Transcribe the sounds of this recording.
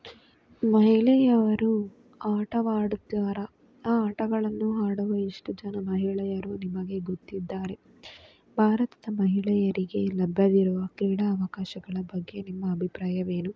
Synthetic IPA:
mɐɦiɭɛjɐʋɐɾu | aːʈɐʋaːɽut̪ːaːɾɐː | aːʈɐɡɐɭɐnːuɦaːɽuʋɐiʂʈud͡ʒɐnɐmɐɦiɭɛjɐɾunimɐɡe̞ɡot̪ːid̪ːaːɾe̞ | bʱaːɾɐt̪ɐd̪ɐmɐɦiɭɛjɐɾiɡe̞lɐbʱjɐd̪iɾuʋɐkiːɽɐːʋɐkaːʃɐɡɐɭɐbɐɡːe̞nimːɐːbʱipɾaːjɐʋe̞ːnu

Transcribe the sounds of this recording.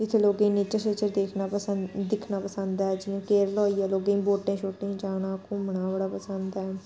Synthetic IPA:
ɪt̪ʰeloːɡĩːniːt͡ʃəʃət͡ʃəɾd̪eːkʰnaːpəsəd̪ɪkʰnaːpəsə̃nd̪aːɛːd͡ʒiãːkeːɾlɔːijaːloːɡeĩːboːʈẽːt͡ʃʰoːʈẽːd͡ʒaːnãːkʊmɳaːbəɽaːpəsənd̪ɛː

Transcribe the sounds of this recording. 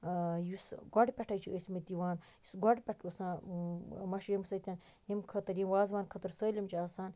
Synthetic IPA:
jusɡɔɖʲpʲɛʈʰɐjt͡ʃʰiəsmit̪iʋaːn | jusɡɔɖʲpʲeʈʰosãː | mɐʃjimsɐt̪ʲɐn | jimkʰɐt̪ɐɾjimʋaːzʋaːnkʰɐt̪ɐɾsəːlʲimt͡ʃʰiaːsaːn

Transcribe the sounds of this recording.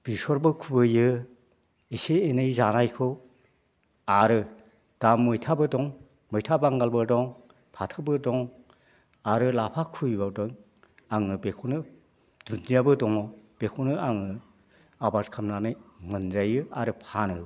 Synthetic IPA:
b̥isɔɾbɯkʰubɯjɯ | iseenɯjzanajkʰɯw | aɾɯ | d̥amːɯjtʰabɯdɔŋ | mɔjtʰabaŋɡalbɯdɔŋ | pʰatʰɯbɯdɔŋ | aɾɯlapʰakʰujbadɔŋ | aŋɯbekʰonɯ | d̥unzijabɯdɔŋɔb̥ekʰonɯaŋɯ | abatkʰamnanɯjŋɯnzajɯaɾɯpʰanɯ̰

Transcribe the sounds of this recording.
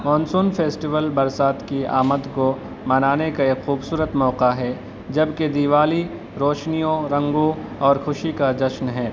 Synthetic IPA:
mɔ̃ːnsuːnfeːsʈiʋəlbɐɾsaːt̪kia̰ːməd̪ko | mɐnaːnekaekxuːbsuːɾət̪mɔːqaɦɛ | d͡ʒɐbked̪iːʋaːli | ɾɔːʃnijõɾɐ̃ŋɡõ | ɔːɾxʊʃikad͡ʒɐʃnɦɛː

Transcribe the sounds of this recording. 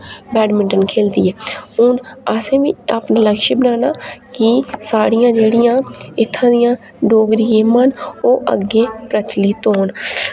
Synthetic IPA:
bɛːɖmɪ̃ɳʈənkʰeːld̪iːɛːʊnaːsẽːbiːaːpnãːləɡʃiːbɪnaːnaːkɪsaːɽɪjãːd͡ʒeːɽɪjãːɪt̪ʰːãːd̪ɪjãː | ɖoːɡɾiẽːmanoːʔə̰ɡːeːpɾət͡ʃliːt̪oːn

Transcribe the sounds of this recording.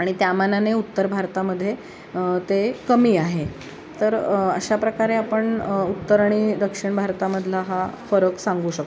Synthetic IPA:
aɽ̃it̪jamananeut̪ːəɾbʱaɾt̪aməd̪ʱːje | t̪ekəmiːaɦe | t̪əɾə̰ɕapɾəkaɾeapəɳut̪ːəɾɳ̃iːd̪əkʂəɳbʱaɾt̪aməd̪ʱlaɦafəɾəksaŋɡuːɕək̚

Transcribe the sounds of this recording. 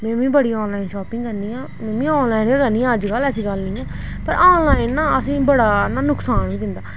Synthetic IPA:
mẽːʋĩːbəɽiːɔ̃ːnlaːɪnʃɔːpɪ̃ŋɡkəɾniːãːmẽːmĩːoːnlaːɪnːkəɾniːãːəd͡ʒkəlɛsĩːɡəlnĩːɛː | pəɾʔoːnlaːɪnːãːəsĩːbəɽaːnaːnʊksaːnʋĩːd̪ɪnd̪aː

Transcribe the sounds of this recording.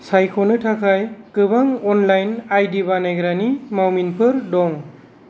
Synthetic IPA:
sajkʰɔnɯtʰakʰajkɯbaŋɔnlajnajdibanaɡɾanimawminpʰɯɾdɔŋ

